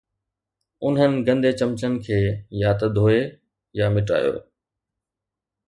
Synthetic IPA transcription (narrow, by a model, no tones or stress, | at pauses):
ʊnɦənɪ̆ɡɐ̃nd̪ʱet͡ɕɐmt͡ɕənɪ̆kʰeːjaːt̪ɐd̪ʱoːe | jamɪʈa̰ːjo̰ː